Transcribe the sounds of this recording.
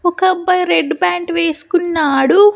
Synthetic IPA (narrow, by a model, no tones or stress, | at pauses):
ɔkɐbːɐjɾeɖbaːɳʈʋeːsu̥kunːaːɽu